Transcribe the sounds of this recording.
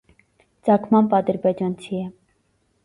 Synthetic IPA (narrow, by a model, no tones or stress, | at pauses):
t͡sɑkʰmɑmpɑd̪əɾbɛd͡ʒɑnt͡sʰiɛ